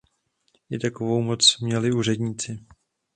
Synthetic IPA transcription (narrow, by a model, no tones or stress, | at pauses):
ʔɪt̪ako̞vo̞wmo̞t͡smɲɛlɪuːrɛdɲit͡sɪ